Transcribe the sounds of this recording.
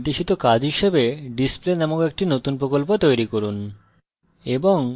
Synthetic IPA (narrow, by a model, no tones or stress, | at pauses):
d̪eʃit̪okad͡ʑɦiʃebeɖisplenɛmoŋek̚ʈinot̪unpɾokolpot̪ojɾikoɾun | eboŋ